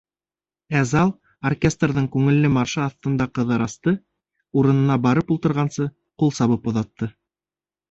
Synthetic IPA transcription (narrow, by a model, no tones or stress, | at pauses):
æzɑlˠ | orkʲest̪rðɤɴkʉŋɘ̆lːɘmɑɾʃɤɑθt̪ɤ̆nd̪ɑqɤ̆ðɤɾɑst̪ɤ | uɾɤ̆nɤ̆nɑbɑɾɤpulˠt̪ɤ̆ɾʁɑnsɤ | qulˠsɑβɤpŏðɑt̪ːɤ